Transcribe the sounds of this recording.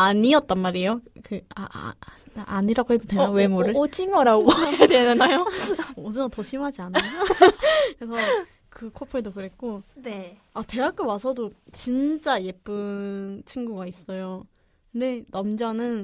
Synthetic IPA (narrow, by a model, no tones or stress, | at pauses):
aɲiʌt̚t͈anmaɾijokɯa̰ | aaɲiɾaɡoɦe̞dotweawe̞moɾɯɭot͡ɕʰiŋʌɾaɡoedenenajoodɯʌtʌɕʰimɦad͡ʑianajokɯes̬ʰʌ | kɯkʰopʰedokɯɾe̞k̚k͈one | ate̞ɦak͈ewasʰʌdot͡ɕint͡ɕ͈aje̞p͈ɯnt͡ɕʰinɡuɡais͈ʌjo | kɯnde̞nʌmd͡ʑʌnɯn